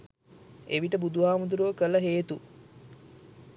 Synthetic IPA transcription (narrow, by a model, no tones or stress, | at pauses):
eʋiʈəbud̪uʋaːmud̪uɾuʋəkəlɐɦeːt̪u